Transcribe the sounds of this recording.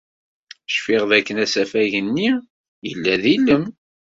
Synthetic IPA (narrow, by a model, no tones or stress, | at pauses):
ʃfɪʁðækːənæsæfæʝənːi | jə̰lːæðilːəm